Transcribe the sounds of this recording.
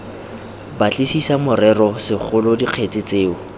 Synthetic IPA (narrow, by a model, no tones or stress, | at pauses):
bat͡ɬʼisisamʊrɛrɔsɪk͡xʰʊlɔdiq͡χʰet͡sɪt͡seːʊ